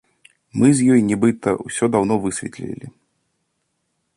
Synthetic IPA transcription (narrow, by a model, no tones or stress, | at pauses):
mɨzʲjɔjnʲɛbɨt̪ɐ̰wsʲɔd̪awnɔvɨsʲvʲɛt̪lʲḭlʲḭ